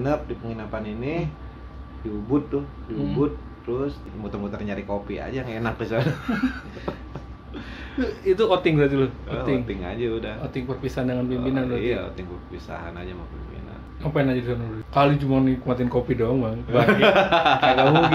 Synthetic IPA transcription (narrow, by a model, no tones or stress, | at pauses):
nəp̚dipəŋinəpanini | diubʊt̪̚ːʊh | diubʊt̪̚ː | əɾʊs | mut̪ərmut̪ərniɲaɾikopia̰d͡ʒaŋenak̚disa | it̪uot̪ɪŋbəɾat̪ilɔoɪŋt̪ɪŋa̰d͡ʒaudahot̪ɪŋpərpisaɦandəŋanpimbinanbɾaio̰t̪ɪŋpərppisa̰ɦa̰na̰d͡ʒamapḭmbḭna̰n | apajanad͡ʒadikanudkalit͡ʃumanikəmat̪ɪnkopidɔŋmaŋba | kala